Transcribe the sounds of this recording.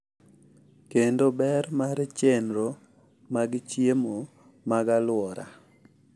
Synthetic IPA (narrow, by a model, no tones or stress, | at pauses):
kendobɛɾmaɾt͡ʃenɾo | maɡt͡ʃjemo | maɡalwɔɾa̰